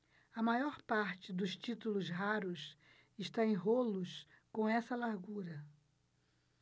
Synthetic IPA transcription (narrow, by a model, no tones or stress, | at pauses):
ɐmajɔɾpaɾt͡ʃɪd̪ʊst͡ʃit̪ulʊzɦaɾʊs | ɪʃt̪aẽj̃ɦolʊs | kõw̃ɛsɐlaɾɡuɾɐ